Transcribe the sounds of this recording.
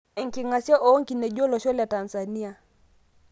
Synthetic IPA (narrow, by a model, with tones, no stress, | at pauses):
i˨ŋki˨ŋa˨si˦a˦ʔɔ˨˦ŋki˨nɛ˨ʄɔ˦lɔ˨ʃɔ˦lja˨ta˨nza˨ni˦a˨